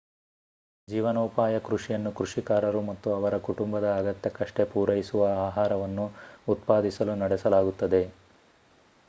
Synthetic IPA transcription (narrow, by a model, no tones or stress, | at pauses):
d͡ʒiːʋɐnoːpaːjɐkɾuʂijɐnːukɾuʂikaːɾɐɾumɐt̪ːuɐʋɐɾɐkuʈumbɐd̪ɐːɡɐt̪jɐkɐʂʈe̞puːɾɐjisuʋɐaːɦaːɾɐʋɐnːuːt̪̚paːd̪isɐlunɐɽɛsɐlaːɡut̪ːɐd̪e̞